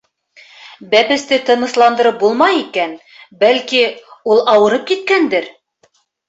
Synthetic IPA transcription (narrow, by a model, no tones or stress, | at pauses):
bæpɘ̆st̪ɘt̪ɤ̆nɤ̆slˠɑnd̪ɤ̆ɾɤp̚bulˠmɑjikæn | bælkiulˠɑwɤ̆ɾɤp̚kit̪̚kænd̪ɘɾ